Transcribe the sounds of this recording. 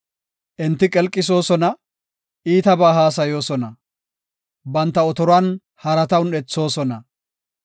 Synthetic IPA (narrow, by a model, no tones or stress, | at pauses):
ʔɪnt̪ːɪkʼɛlkʼːɪs̬o̞ːsɔnɐ | ʔiːt̪ɐbaːɦaːs̬ɐjo̞ːsɔnɐ | bɐnt̪ːɐɔt̪ɔɾʊɐn | hɐɾɐt̪ɐwnɛt͡sːo̞ːsɔnɐ